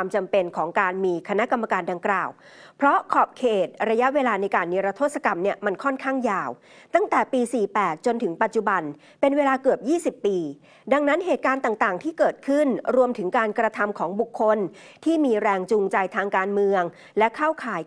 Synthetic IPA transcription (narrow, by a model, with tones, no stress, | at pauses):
aː˧mt͡ɕa˧mpe˧nkʰɔː˩˦ŋkaː˧nmiː˧kʰa˧na˦˥ʔka˧mːa˧kaː˧nda˧ŋklaː˨˩w | pʰɾɔ˦˥kʰɔː˨˩p̚kʰeː˨˩t̪̚ɾa˧ja˦˥ʔweː˧laː˧na˧jkaː˧nːi˧ɾa˧t̪ʰoː˥˩t̪̚sa˧ka˧mni˥˩ɐma˧nkʰɔ˥˩nkʰaː˥˩ŋjaː˧w | t̪a˥˩ŋt̪ɛː˨˩piː˧siː˨˩pɛː˨˩t̪̚t͡ɕo˧nt̪ʰɯ˩˦ŋpa˨˩t̪̚t͡ɕu˨˩ba˧n | pe˧nweː˧laː˧kɯ˨˩əp̚jiː˥˩si˨˩pːiː˧ | da˧ŋna˦˥nɦeː˨˩t̪̚kaː˧nt̪aː˨˩ŋt̪aː˨˩ŋt̪ʰiː˥˩kɤː˨˩t̪̚kʰɯ˥˩nɾu˧əmt̪ʰɯ˩˦ŋkaː˧nkɾa˧t̪ʰa˧mkʰɔː˩˦ŋbu˨˩kʰːo˧n | t̪ʰiː˥˩miː˧ɾɛː˧ŋt͡ɕuː˧ŋt͡ɕa˧jt̪ʰaː˧ŋkaː˧nmɯ˧əŋ | lɛ˦˥kʰaː˥˩wkʰaː˩˦j